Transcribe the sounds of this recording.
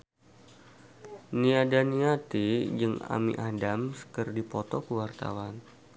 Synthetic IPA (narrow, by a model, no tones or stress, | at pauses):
niadaniat̪id͡ʒɨŋa̰mḭʔadamsə̥kərdipɔt̪ɔkəwart̪a̰wan